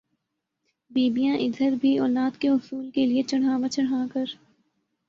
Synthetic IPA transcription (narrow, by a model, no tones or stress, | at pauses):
biːbijãʔɪd̪ʱəɾbʱiɔːlaːd̪keɦʊsuːlkeliet͡ʃɐɽɦãːʋãt͡ʃɐɽɦãːkɐɾ